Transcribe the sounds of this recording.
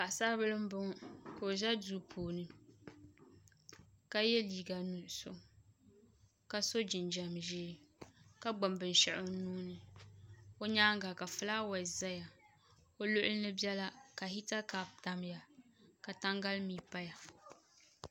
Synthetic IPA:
ka˨ʔsa˦bɨ˦lɨ˦m˦bʊ˦ŋ˦ka˨o˨ʒɛ˦duː˦pʰoː˨nɨ˦ | ka˦jɛ˦liː˨ɡa˨nu˨so˦ | ka˦so˦d͡ʒɪ˨nd͡ʒa˨mʒɪː˦ka˦ɡ͡ba˨mbɨ˨n˨ʃɛ˨ʔʊ˦nuː˦nɨ˨ | o˦ɲaː˦ŋ˦ɡa˨ka˨fɨ˦la˦wa˨za˦ja˨ | o˦lʊ˦ʔʊ˦ɨ˦nɨ˦bjɛ˦la˦ka˨hi˦ta˦ka˨p̚ta˨m˦ja˨ka˨ta˦ŋɡa˦lmiː˨pa˦ja˨

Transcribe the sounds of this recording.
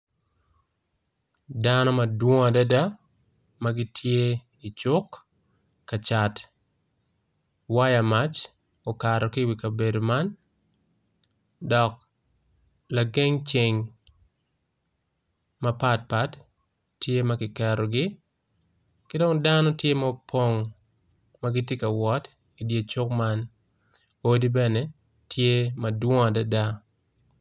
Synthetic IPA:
danɔ˦mɐdwɔ˦ŋa˨dada | maɡɪtʰje˦ | i˨t͡ʃʊkː | at͡ʃat | wa˦jamat͡ʃ | ɔkaɾɔkɪwi˨ka˨be˨doman | dɔk̚ | laɡe˦ŋt͡ʃɪŋ | mɐ˦pa˦t̚pa˦tː | je˦mɐkɪ˨kɛɾɔɡɪ˦ | kɪ˦do˦ŋdanɔ˦tje˦mapʰo˦ŋ | maɡɪ˦tje˦ka˨wɔ˦t | i˨dje˨t͡ʃo˦kma˦n | o˦di˦bɛnɛ˦ | tʰje˦mɐdwɔ˦ŋa˨da˨da˦

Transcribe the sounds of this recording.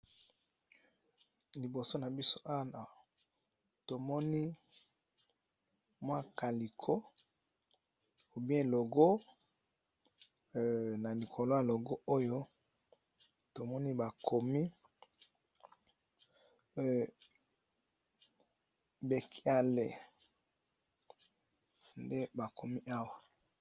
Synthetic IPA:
li˨bo˨so˦na˨bi˦so˦ʔa˦˨na˨ | to˨mɔ˦ni˦ | mwa˦ka˨li˨kʰo˦ | o˨bi˦ɛ̃˦˨lo˨ɡo˦˨ | na˨li˨kʰo˨lo˦ja˨lo˨ɡo˦o˦jo˦ | to˨mɔ˦ni˦ba˨kʰo˨mi˦˨ | be˨kʰi˦a˨le˨ | nde˦ba˨ko˨mi˦ʔa˦wa˨

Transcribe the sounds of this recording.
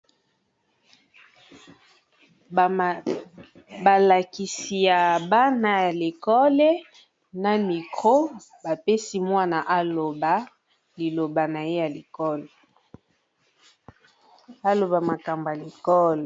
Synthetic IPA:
ba˨la˨ki˨si˨ja˨ba˦na˦ja˨le˨kɔ˦lɛ˦ | na˨mi˨kʰo˦ | ba˨pe˦si˦mwa˦na˨ʔa˦lo˨ba˨ | li˨lo˨ba˨na˨je˦ja˨li˨kɔ˦lɛ˨ | a˦lo˨ba˨ma˨ka˨mba˨a˨le˨kɔ˦lɛ˨

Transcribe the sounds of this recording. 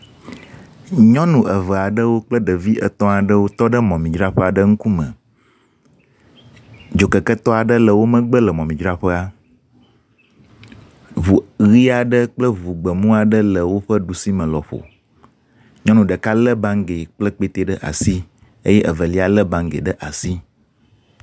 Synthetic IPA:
ɲɔ̃˦nũ˨ʔə˨və˨a˨ɖə˦wo˦k͡plə˦ɖə˨vi˦ʔə̰˨t̪ɔ̃˦a˨ɖə˦wo˦t̪ɔ˦ɖə˦mɔ̃˨mĩ˨d͡ʒɾa˦ɸə˦a˨ɖə˦ŋũ˦ku˦mə̰̃˨ | d͡ʒo˨kə˨kə˦t̪ɔ˦a˨ɖə˦lə˨wo˦mə̃˦ɡ͡bə˦lə˨mɔ̃˨mĩ˨d͡ʒɾa˦ɸə˦a˦ | vu˨ɣi˦a˨ɖə˦k͡plə˦vu˨ɡ͡bə˨mũ˦a˨ɖə˦lə˨wo˦ɸə˦ɖu˨si˦mə̃˨lɔ˨ɸo̰˨ | ɲɔ̃˦nũ˨ɖə˨ka˦lə˦bã˦ŋɡe˨k͡plə˦k͡pe˦t̪e˦ɖə˦ʔa̰˨si˦ | e˦jɛ˦ʔə˨və˨li˦a˨lə˦bã˦ŋɡḛ˨ɖə˦ʔa˨si˦

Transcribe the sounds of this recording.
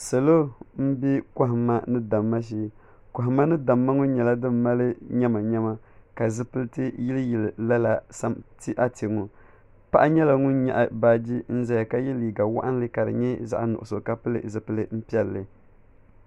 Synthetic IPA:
sa˨lo˦m̩˦bi˦ka˦ɦɪ˨mːa˦nɨ˦da˨mːa˦ʃ̬i˦ | ka˨ɦɪ˨ma˦nɨ˦da˨mːa˦ŋʊ˦ɲɛ˨la˦dɨ˦mː˦a˦lɨ˦ɲɛ˦ma˨ɲɛ˦ma˦ | ka˨zɨ˦pɨ˦lɨ˦tɨ˦ji˦lɨ˦ji˨lla˦la˨sa˦mti˦ʔa˦ti˨ŋo˨ | pa˦ʔa˦ɲɛ˦la˨ŋu˦nɲɛ̰˨ʔa˨ba˦d͡ʒi˦n̩˦za˦ja˨ka˦jɛ˦liː˨ɡa˨wa̰˦ʔa˦n˦lɨ˦ka˨ɾɨ̰˨ɲɛ˦za̰˦ʔnʊ˨ʔʊ˨so˨ka˦pɨ˦lɨ̰˦zɨ˨pɨ˦lɨ˦m̩˦pi˦ɛ˦lːɨ˨

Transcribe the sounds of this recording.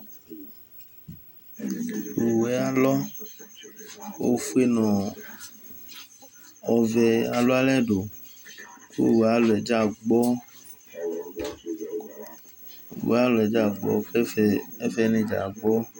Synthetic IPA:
u˨wɛ˨˦a˨lɔ˦ | o̰˦fu˦e˦nɔ̃˨ | ɔ˨vɛ˨a˨lo˦a˦lɛ˦ɖo˨ | kṵ˦˨wa˦lo˨ɛ˨d͡ʒa˦˨ɡ͡bɔ˦ | u˨w̰a˦lo˨ɛ˨d͡ʒa˦˨ɡ͡bɔ̰˦fɛ˦ɛ˦fɛ˦nẽ˨˦d͡ʒa̰˨ɡ͡bɔ˦

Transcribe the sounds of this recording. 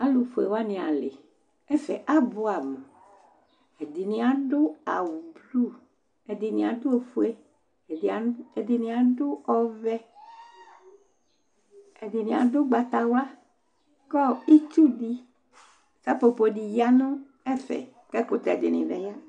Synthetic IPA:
a˦lu˨fo˨e˨wa˦nĩ˨a˨le˨ | ɛ˦fɛ˨ʔa˦bo˦a˨mu˨ | e˨di˨nĩ˨˦a˨ɖʊ˦a̰˨wu˨blu˦˨ | e˨d̪i˨nĩ˨a˨do˦e˨fo˦e˦˨ | e˨d̪i˨nĩ˨a˨do˦ɔ˦vɛ˦ | e˨d̪i˨nĩ˨a̰˨do˦ɡ͡ba˨t̪a˨wa˦ | kɔ˦i˦t͡ʃu˦di˦ | t͡ʃa˦po˨po˨ɖi˨ja˦nõ˦ | ɛ˦fɛ̰˨ | kɛ˦k͡po˦t̪a˨e˨dɪ̰˨nḭ̃˨vɛ˨ja˦

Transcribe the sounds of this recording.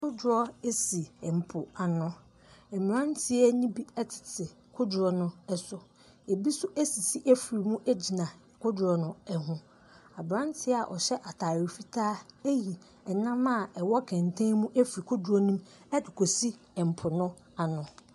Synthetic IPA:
kʰʊ˦dʊ˨ɾɔ˦e˦si˨ɛ˨m̩˨pʰʊ˨a˨nʊ̃˦ | ɛ˨m˨ɾã˦n˦tʰɪ˦ɛ˦nĩ˦bi˦ɛ˦tʰɪ̥˨tʰɪ˨ | kʰʊ˦dʊ˨ɾɔ˦nʊ̃˦ɛ˦sʊ˨ | e˨bi˦sʊ˦æ˦si˨si˦ʔæ˦fɾi˨mũ˦ʔæ˦d͡ʑi˨nã˨ | kʰʊ˦dɾɔ˨nʊ̃˦ɛ˨ɦũ˦ | a˨bɾã˦n˦tʰɪ˦ɛ˦a˨ʔɔ̰˨ɕɛ˦ʔa˨tʰaː˨ɾi˨fi˦tʰaː˦e˦ji˨ | ɛ˨nã˦ma˦˨ɛ˨wɔ˦kʰɛ̃˨ntʰã˦ŋmũ˦ʔæ˦fɾi˨kʰʊ˦dʊ˨ɾɔ˦nũ˦m | ɛ˦dɪ˨kʰo˨si˦ | ɛ˨m̩˨pʰʊ˨nʊ̃˦ | a˨nʊ̃˨

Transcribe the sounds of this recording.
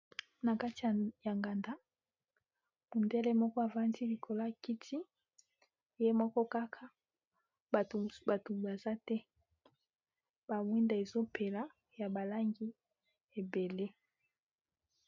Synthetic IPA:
na˨ka˦ti˨ja˨ŋɡa˨nda˦ | mu˨ndɛ˦lɛ˦mɔ˦kɔ˦a˨va˦ndi˦li˨kʰo˨la˦˨ki˦tʰi˦ | je˦mɔ˦kɔ˦ka˦kʰa˦˨ | ba˨to˨ba˨za˦tɛ˦ | b̥a˨mwi˦nda˨e˨zo˦pʰe˨la˨ | ja˨ba˨la˦ŋɡi˦ | e˨be˨le˦

